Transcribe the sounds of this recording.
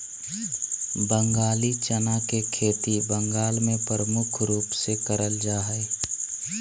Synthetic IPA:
bə̃ŋɡaːlit͡ʃənakekʰeːt̪ibəŋɡaːlmẽpɾəmʊkʰɾuːpsekəɾəld͡ʒaːɦə

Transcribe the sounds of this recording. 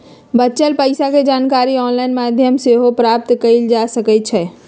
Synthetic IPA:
bəːt͡ʃəlpəɪsaked͡ʒaːnkaɾiɔnlainmad̪ʱjəmseɦopɾap̚t̪kəild͡ʒasəkət͡ʃʰɛ

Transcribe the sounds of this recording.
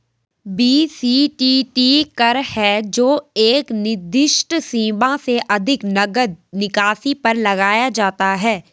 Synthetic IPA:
biːsiːʈiːʈiːkɐɾhɛd͡ʒoːeːknɪd̪ɪʃʈsĩːbãseʔɐd̪ʱɪknɐɡəd̪̚nɪkaːsipɐɾlɐɡaːjad͡ʒaːt̪aɦɛː

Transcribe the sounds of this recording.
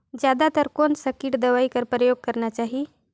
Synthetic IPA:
d͡ʑjad̪at̪əɾkonsəkiːʈd̪əʋaiːkəɾpɾəjoɡ̚kəɾɳjat͡ɕaɦi

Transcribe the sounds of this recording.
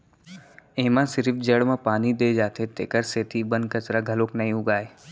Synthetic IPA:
eːmãsɪɾɪfd͡ʒəɽmãpaːnid̪eːd͡ʒaːt̪ʰet̪eːkəɾseːt̪ʰibə̃nkɐt͡ʃɾaɡʱɐloknɐɦĩʊɡaːe

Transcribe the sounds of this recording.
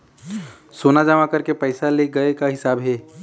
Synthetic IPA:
soːnad͡ʒəmakɐɾkepɛːsaleɡɐekaɦɪsaːbɦɛː

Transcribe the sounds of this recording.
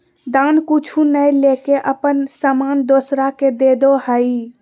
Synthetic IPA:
d̪ankut͡ʃʰunəjlekeʔəpənsəmand̪osɾaked̪ed̪ohəi

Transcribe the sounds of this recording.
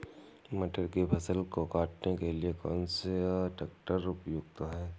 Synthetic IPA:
məʈəɾkepʰɐsəlkokaːʈnekeliekɔːnseʈək̚ʈəɾʊpjʊɡ̚t̪aɦɛː

